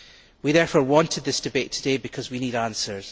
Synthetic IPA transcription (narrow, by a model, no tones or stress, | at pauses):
wiðɛɹfɔɹwɔ̃ntɪd̪̚ðɪsd̥ɪbeʔtʰədebɪkʰɔzwinidãnsə˞z̥